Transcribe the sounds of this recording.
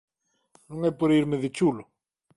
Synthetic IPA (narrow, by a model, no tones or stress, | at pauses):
nũŋɛpoɾiɾmeðɪt͡ʃulʊ